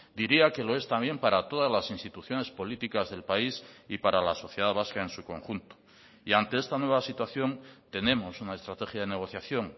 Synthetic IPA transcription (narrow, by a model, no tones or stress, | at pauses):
d̪iɾiake̞lo̞e̞st̪ambje̞mpaɾat̪o̞ðazlasinst̪it̪uθjo̞ne̞spo̞lit̪ikazðe̞lpaisipaɾalaso̞θjeð̞aβaskae̞nsuko̞̰ŋxunt̪o̥ | iant̪e̞e̞st̪anwe̞β̞asit̪waθjo̞nt̪e̞nẽ̞mo̞sunae̞st̪ɾat̪e̞xjað̞e̞ne̞ɣ̞o̞θjaθjo̞ŋ